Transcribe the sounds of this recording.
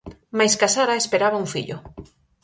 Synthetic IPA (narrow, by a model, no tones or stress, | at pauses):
majskasaɾaespeɾaβauŋfḭʎʊ̰